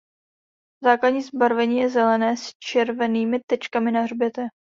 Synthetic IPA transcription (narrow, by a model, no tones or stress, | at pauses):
zaːkladɲiːzbaɾvɛɲiːjɛzɛlɛnɛːst͡ʃɛɾvɛniːmɪt̪ɛt͡ʃkamɪnaɦrbjɛt̪ɛ